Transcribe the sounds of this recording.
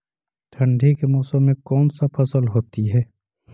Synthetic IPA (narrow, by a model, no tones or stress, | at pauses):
ʈʰɐ̃ɳɖʱikemɔːsə̃mːẽkɔːnsapʰɐsəlɦoːt̪iɦɛː